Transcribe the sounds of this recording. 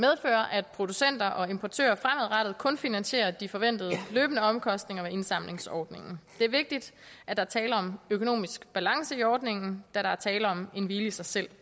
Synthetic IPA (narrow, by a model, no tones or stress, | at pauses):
með̞ˠfø̰ːɐʔæd̥̚pʰʁo̝d̥usen̰d̥ɐʔɒ̽e̝mpʰɒt͡sʰø̰ːɐfʁamæð̩ˠʁɑd̥ð̩ˠkʰɔ̽nfinænsɕe̝̰ːɐd̥ifɒ̽ʋen̰d̥ð̞̩ˠəløːbənəɒ̽mkʰɒ̽sd̥ne̝ŋɐʋee̝nsɑ̈m̰le̝ŋsɒːd̥ne̝ŋn̩d̥e̝æɐʋe̝ɡ̥̚d̥id̥æd̥ɑ̈ɐt͡sʰɛːlɐɒ̽møkʰo̝no̝̰ːmisɡ̥b̥ælɑ̈ŋsəiɒːd̥ne̝ŋn̩d̥æɾɑ̈æɐt͡sʰɛːləɒ̽me̝nʋiːləisɑ̈ɪsel̰